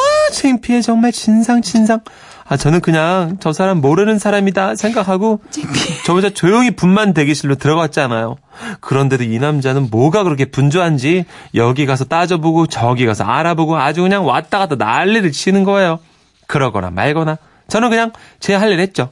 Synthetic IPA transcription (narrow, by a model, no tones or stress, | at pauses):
ʌt͡ɕʰeŋpʰie̞t͡ɕʌŋmaɭt͡ɕinsʰaŋt͡ɕinsʰaŋ | at͡ɕʌnɯnkɯɲaŋt͡ɕʌsʰaɾamːoɾɯnɯnsʰaɾamidasʰe̞ŋɡakʰaɡo | t͡ɕʌd͡ʑat͡ɕojoŋipunmandwe̞ɡiɕʰiɭːotɯɾʌɡat̚t͡ɕ͈ianajo | kɯɾʌnde̞doinamd͡ʑanɯnmwʌɡakɯɾʌkʰe̞pund͡ʑuɦand͡ʑijʌɡiɡas̬ʰʌt͈ad͡ʑʌboɡot͡ɕʌɡiɡasʰʌ̰a̰ɾaboɡoad͡ʑukɯɲaŋwat͈aɡadona̰ɭːiɾɯɭt͡ɕʰinɯnɡʌejo | kɯɾʌɡʌ̰na̰ma̰ɭɡʌna | t͡ɕʌnɯnkɯɲaŋt͡ɕeɦaɭːiɾɦe̞t̚t͡ɕ͈o